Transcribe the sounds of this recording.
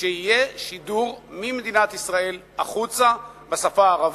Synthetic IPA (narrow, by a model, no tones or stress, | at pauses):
eijeʃiduʁmimed̪inat̪isʁae̞l | aχut͡sa | besafaːʁav